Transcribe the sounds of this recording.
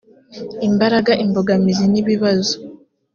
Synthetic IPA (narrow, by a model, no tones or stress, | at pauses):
imbaɾaɡaʔimboɡamiziniβiβazo